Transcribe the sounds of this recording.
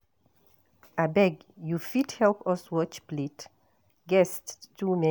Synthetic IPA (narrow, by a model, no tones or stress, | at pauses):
abɛɡjufidhɛlpɔswɔt͡ʃplit | ɡɛstːumɛ